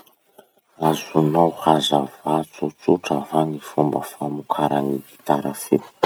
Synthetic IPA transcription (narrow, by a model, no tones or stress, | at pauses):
azunawhazavat͡sut͡suʈ͡ʂavanifumbəfamukʰaɾaniɡit̪aɾəfe̥